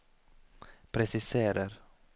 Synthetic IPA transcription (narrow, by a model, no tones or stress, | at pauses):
pʰɾɛsɪseːɾaɾ